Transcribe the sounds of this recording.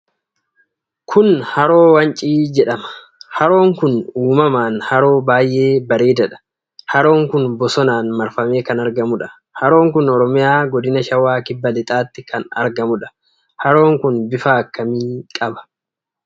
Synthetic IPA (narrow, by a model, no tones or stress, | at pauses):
kʰʊnhɐɾo̞ːwɐnt͡ʃʼiːd͡ʒɛᶑɐmɐ̥ | hɐɾo̞ːŋkʊnuːmɐmaːnhɐɾo̞ːbaːjʔe̞ːbɐɾeːd̪ɐᶑɐ̥ | hɐɾo̞ːŋkʊnbɔsɔnaːnmɐɾfɐme̞ːkɐnɐɾɡɐmʊᶑɐ̥ | hɐɾo̞ːŋkʊnɔɾɔmɪjaːɡɔd̪ɪnɐʃɐwːaːkɪbːɐlɪt̪ʼaːt̪ːɪkʰɐnɐ̰ɾɡɐmʊᶑɐ̥ | hɐɾo̞ːŋkʊnbɪfaːkːɐmiːkʼɐbɐ̥